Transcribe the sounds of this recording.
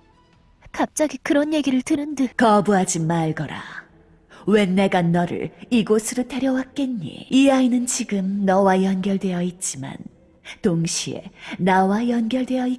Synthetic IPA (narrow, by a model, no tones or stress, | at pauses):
kap̚t͡ɕ͈aɡikɯɾʌnje̞ɡiɾɯɭtɯɾɯndɯkʌbuɦad͡ʑimaɭɡʌɾa̰ | we̞nːe̞ɡanʌɾɯ̰ɭiɡosʰɯɾote̞ɾjʌwak̚k͈enːḭiainɯnt͡ɕiɡɯmnʌwajʌnɡjʌɭdwe̞jʌit̚t͡ɕ͈ima̰n | toŋɕʰie̞̰nawajʌnɡjʌɭdwe̞jʌi